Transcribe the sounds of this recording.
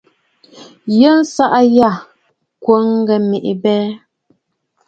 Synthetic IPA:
jə˦˨n̩˦sa˦ʔa˦ja˦˨ | kwo˨˦ŋ˦ɡɛ˨me˨ʔḭ˨bɛː˦

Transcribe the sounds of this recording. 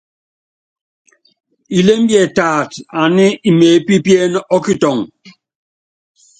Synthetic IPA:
i˨le˦m̩˦bjɛ˨taː˨ta˨ni˦i˨meː˨˦pi˦pje˦nɔ˦ki˦tɔ˨ŋ

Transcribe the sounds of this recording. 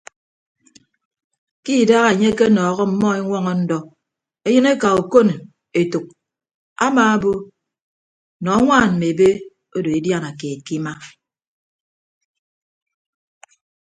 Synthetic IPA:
ki˦˨da˦ɣa˨e˨ɲe˦ke˦nɔː˨ɣɔ˦m̩˨mɔ˦e˦ŋʷɔ˦ŋɔ˦˨n̩˦dɔ˨ | e˦jɨ˦ne˦ka˨o˨ko˦n˨ | e˨tu˨k̚ | a̰˦maː˨a˦bo˦ | nɔ˨˦ŋʷaː˦˨nm̩˨me˨be˦ | o˦do˨e˨dja˦na˨keː˨t̚ki˦ma˦

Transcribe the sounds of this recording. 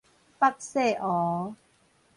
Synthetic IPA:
pa˦˥k̚se˥˨ʔɔ˨˦

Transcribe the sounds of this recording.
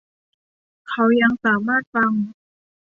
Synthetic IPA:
kʰa˧˦˩wja˧ŋsaː˩˦maː˥˩t̪̚fa˧ŋ

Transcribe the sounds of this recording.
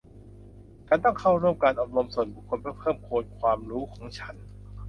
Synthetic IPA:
kaː˧nt̪ɔ˥˩ŋkʰa˥˩wɾu˥˩əmkaː˧nʔɔː˨˩p̚ɾo˧msu˨˩nbu˨˩kʰːo˧npʰɯː˥˩pʰɤː˥˩mkʰoː˧nmkʰwaː˧mɾuː˦˥kʰɔː˩˦ŋt͡ɕʰa˦˥n

